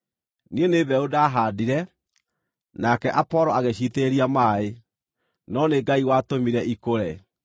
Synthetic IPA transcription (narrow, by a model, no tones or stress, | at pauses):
nieneβɛodaːɦaːdiɾɛ | nakɛʔapɔɾɔaɣeɕiteɾiamaːe | nɔneɡaiwaːtomiɾɛʔikoɾɛ